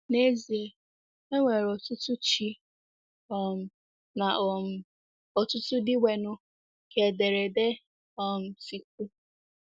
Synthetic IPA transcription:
ne˦zi˨e˨ | e˦ŋʷe˨ɾɔ˨tʊ˦tʊ˦t͡ʃi˦ | ɔ˦m̩˨ | na˨ʔɔ˨m̩˨ | ɔ˨tʊ˦tʊ˦dɪ˦wʷe˨nʊ˦ | kʰe˨de˨ɾe˨de˦ | ɔ˦m̩˨si˦k̚ʷu˦

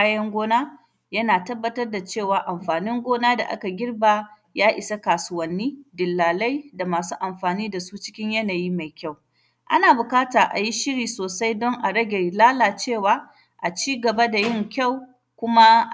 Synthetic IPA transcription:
a˦jɐ˦ŋɡʷoː˦naː˦ | jɐ˦naː˨tɐ˦bːɐ˦tɐ˦rda˨t͡ʃeː˦˨waː˨ʔa˨mɸaː˨nɪ˦ŋɡʷoː˦naː˦da̰˨ʔa̰˦ka˨ɡʲɪ˦rba˨ | jaː˦ʔɪ˨sa˦kaː˨sʊ˦wɐ˨nːiː˦dɪ˨lːaː˨la˦jda˨maː˨suː˦ʔa˨mɸaː˨niː˦da˨suː˦t͡ʃɪ˦kʲɪ˦ɲjɐ˦naː˨jiː˦ma˨jkʲa˦˨w | ʔa̰˦naː˨bʊ˨kaː˦taː˨ʔa̰˨ji˦ʃɪ˦ɽiː˨soː˨sa˦jdɔ˦ŋʔa˨ɽɐ˦ɡʲe˨laː˦laː˨t͡ʃeː˦˨waː˦ | ʔa˨t͡ʃiː˦ɡɐ˨ba˦da˨jɪ˦˨ŋkʲa˦˨w | kʷʊ˦ma˦˨

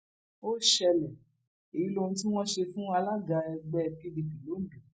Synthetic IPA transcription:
o˦ʃɛ˧lɛ˨ | e˨i˨˦lõ˧˦ti˦w̃ɔ̃˦ʃe˧fũ˦a˧la˦ɡa˧ɛ˧ɡ͡bɛ˦˧ki˦di˧bi˨lo˨˦˨bĩ˨

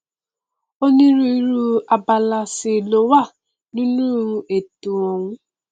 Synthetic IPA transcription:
o˦ne˦ɾu˦i˦ɾu˦a˨ba˨la˨sɪ˨lo˨wa˦˨ | ni˦nu˦˨ɾu˦ʔe˨tu˨ɔ˨ŋʷʊ˦

